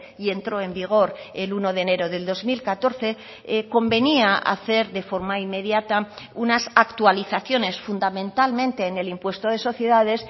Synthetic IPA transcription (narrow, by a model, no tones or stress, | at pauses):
ie̞nt̪ɾo̞e̞mbiɣ̞o̞ɾe̞luno̞ðene̞ɾo̞ðe̞ld̪o̞zmilkat̪o̞ɾθe̞ | ko̞mbe̞niaa̰θe̞ɾðe̞fo̞ɾmaimːe̞ðjat̪a | unasakt̪ualiθaθjo̞ne̞sfund̪amẽ̞nt̪almẽ̞nt̪e̞ːne̞limpwe̞st̪o̞ðe̞so̞θje̞ðaðe̞s